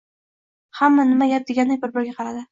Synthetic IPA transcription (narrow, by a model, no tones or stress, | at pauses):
hamːanɪmajʲap̚d̪eɡʲanːɪbɪɾbɪɾɡʲaqʰɑɾad̪ɪ